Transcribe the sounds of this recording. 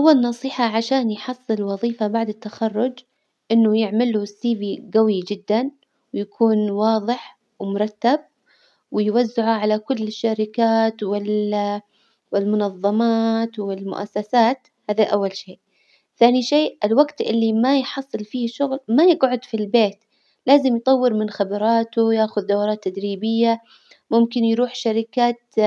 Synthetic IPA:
ʔawːalnɑsˤiːħaʕaʃaːnjħɑsˤːɨlwɑðˤiːfabaʕd̪ɪt̪ːaxɑrˤːʊd͡ʒ | ʔɪnːʊjɪʕmalusːiːbiɡawid͡ʒɪd̪ːan | wɪjakʰuːnwɑːðˤɨħ | wɪmʊɾˤɑt̪ːab̚ | wɪjwazːɪʕuʕalakʊlːɪʃːaɾɪkaːt̪wɪl | wɪlmʊnɑðˤːɑmaːt̪wɪlmʊ̰ʔa̰sːasaːt̪ | haːðaʔawːalʃeːʔ | θaːniʃeːʔʔɪlwaɡt̪ʔɪlːimajħɑsˤːɨlfiːhʃʊɣlmajɪɡʕʊd̪filbeːt̪ | laːzɪmjt̪ˤɑwːɪɾmɪnxabɑɾˤɑːt̪ʊjaːxʊðd̪awɾˤɑːt̪ːad̪ɾiːbɪjːa | mʊmkɪnjɾuːħʃaɾɪkaːt̪

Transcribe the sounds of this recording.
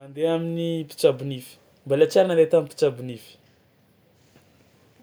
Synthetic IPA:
and̪eaminipi̥t͡ʃabunifi̥ | mbalat͡ʃaɾananɾet̪amipi̥t͡ʃabunifi̥

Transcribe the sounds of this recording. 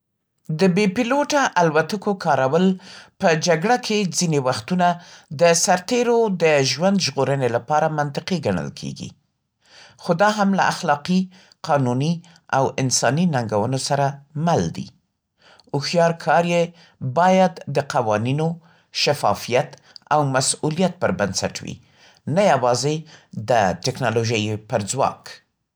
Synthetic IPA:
d̪əbepɪloʈaʔalwat̪əkokʰɑɾawəlpəd͡ʒaɡɽakʰed͡zinewaxt̪unad̪əsaɾt̪eɾod̪əʒwand̪ʒɣoɾənelapɑɾamant̪ɪqeɡaɳ̃ə̰lkʰḛɡḭ | xod̪ɑɦamla̰ʔaxlɑqi | qɑnuni | awɪnsɑninaŋɡawənosaɾamald̪ḭ | ʊxjɑɾkʰɑɾje | bɑjad̪ːəqawɑnino | ʃafɑ̰fijat̪ | awmasulijat̪̚pəɾbansa̰ʈwḭ | najawɑzed̪əʈɪknɑloʒəjpəɾd͡zwɑ̰k

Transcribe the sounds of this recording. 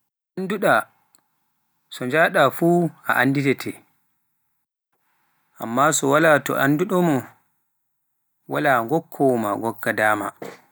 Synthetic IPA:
ʔʔanduɗa | sɔɲd͡ʒaɗafuːa̰ʔanːditɛtʰɛ | ʔa̰mːasɔwalatɔ̰ʔanduɗɔmɔ | walaːŋɡɔkʰːɔma̰ŋɡɔɡːadaːma̰

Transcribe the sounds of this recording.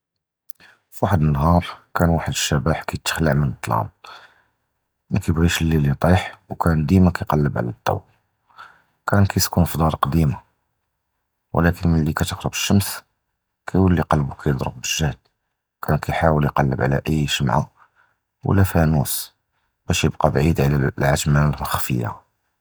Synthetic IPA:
fwaħəd̪ənːɦɑɾˤkænwaħəd̪əʃːæbaħkæjt̪ːə̥xləʕmənət̪ˤːlɑ̰m | mækæjbɣiʃlːilit̪ˤiħwkʰænd̪imakæjqɑlːəbʕ̰læt̪ˤːɑ̰w | kʰænkæjt̪kunfd̪ˤɑɾˤqd̪ima | wlækənmənlikæt̪əqɾəbə̥ʃːəms | kæjwəlːiqɑlbukʰæjəd̪ˤɾəb̚bəʒːəhl | kʰænkæjħawəljqɑlːəbʕlæ̰ʔəjːʃəmʕa̰ | wʔə̰lːæfænus | bæʃjəb̚qɑbʕid̪ʕlælʕat̪mːænlhxfəjːa̰

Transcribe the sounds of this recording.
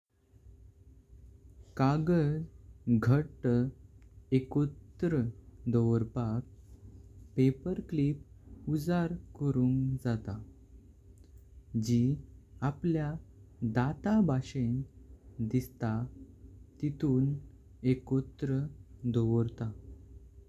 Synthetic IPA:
kaɡəd͡zɡʱəʈ | ekott̪ɾəd̪oʋɾpak̚ | pepəɾklip̚ud͡zaɾkəɾuːŋd͡zat̪a | d͡ʑiːapljad̪at̪abaɕend̪ist̪a | t̪it̪uːn | ekot̪ɾəd̪oʋɾt̪a

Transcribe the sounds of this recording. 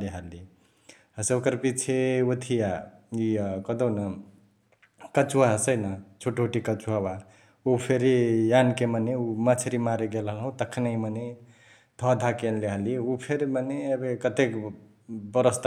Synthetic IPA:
leɦali | əsokəɾpit͡ʃʰeut̪ʰijaikəd̪onə | kət͡ʃuaɦsəjnət͡ʃʰuʈuʈikət͡ʃuawa | upʰeɾjankeməneumət͡ʃʰɾimaɾeɡelɦəlɦũt̪əkʰːnaiməne | t̪ʰɔd̪ʱakenleɦaliupʰeɾmənebekət̪ek | bəɾəst̪

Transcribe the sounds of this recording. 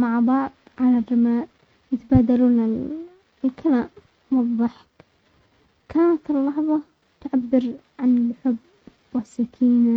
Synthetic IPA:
maʕbɑʕd̪ˤʕalarːɪmaːʔ | jɪt̪abaːd̪aluːna | lkʰalaːm | wɑðˤːɑħɪ̥k | kaːnat̪ɪlːɑħðˤɑ | t̪ʕabːɪɾʕanlħʊbː | wasːakʰiːna

